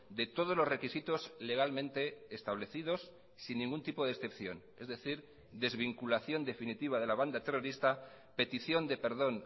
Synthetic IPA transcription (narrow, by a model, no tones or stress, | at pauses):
d̪e̞t̪o̞ð̞o̞zlore̞kisit̪o̞zle̞ɣ̞almẽ̞nt̪e̞ːst̪aβle̞θið̞o̞s | sinːĩŋɡunt̪ipo̞ð̞esθe̞pθjo̞̰n | ezðe̞θiɾ | d̪e̞zβiŋkulaθjo̞nd̪e̞finit̪iβaðe̞laβ̞and̪at̪e̞ro̞ɾist̪a | pe̞t̪iθjo̞nd̪e̞pe̞ɾðo̞n